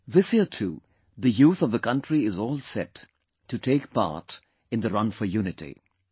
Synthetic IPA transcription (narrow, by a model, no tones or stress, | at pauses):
ðɪshiətʰṵ | ðɨjuːθʌvðəkʌ̃ntɹiɪzɔːlˠsɛt | tʰːɨtʰeːkpa̰ːɹt | ɨ̃nd̪əɾʌ̃nfə˞juːnɪtḭ